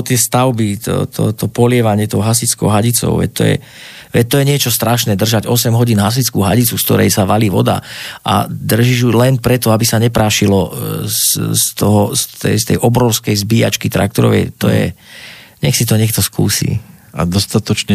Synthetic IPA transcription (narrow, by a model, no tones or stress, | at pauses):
t̪ɪɛst̪aʊbit̪ɔ̰t̪ʰɔ̰t̪ɔpɔlɪɛʋaɲɪɛt̪ɔwɦasit͡skɔ̰ʊɦaɟit͡sɔ̰ʊʋɛ̰ct̪ɔ̰jɛ̰ | ʋɛt̪ːɔjɛɲɪɛt͡ʃɔst̪ɾaʃnɛːd̪r̩ʒaɟɔsɛmɦɔɟiːnɦas̬it͡skuːɦaɟit͡sufskt̪ɔɾɛ̰jsaʋaliːʋɔ̰d̪a̰ʔa̰d̪r̩ʒiʒjulɛnpɾɛt̪ɔabisaɲɛpɾaːʃilɔsst̪ɔɦɔst̪ɛ̰st̪ɛjʔɔbɾɔʊskɛjzbiːa̰t͡ʃkit̪ɾa̰k̚t̪ɔɾɔʋɛ̰jt̪ɔjɛ̰ɲɛxsit̪ɔɲɛk̚t̪ɔskṵːsḭːa̰d̪ɔst̪at̪ɔt͡ʃɲɛ